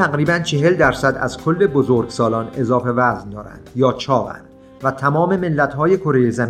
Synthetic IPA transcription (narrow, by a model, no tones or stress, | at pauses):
æɣɾiːbænt͡ʃʰe̞ɦe̞ld̪æɾsæd̪æ̰zkʰo̞lːe̞bozoɾɡsɒːlɒːne̞zɒːfe̞væznd̪ɒːɾæ̰nd̪̥jɒːt͡ʃʰɒːvæ̰nd̥̪ | væt̪ʰæmɒːme̞melːæt̪ɦɒːje̞kʰo̞ɾejezæm